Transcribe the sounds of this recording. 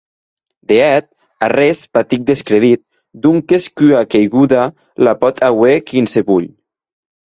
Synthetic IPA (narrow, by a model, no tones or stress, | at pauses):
d̪eɛt̪̚ | arespat̪ik̚d̪eskɾeðit̪̚ | d̪uŋkeskyakejɣuða | lapɔt̪ʰawekinseβuʎ